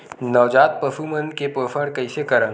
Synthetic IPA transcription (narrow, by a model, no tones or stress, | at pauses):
nɔʋd͡ʒaːt̪̚pəfumənkepəːfʰəɽkɐɪsekɐɾə̃n